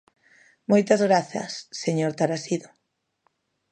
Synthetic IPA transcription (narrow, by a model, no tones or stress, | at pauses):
mojt̪ɐzɣɾaθɐ̰sːeɲoɾt̪aɾasiðo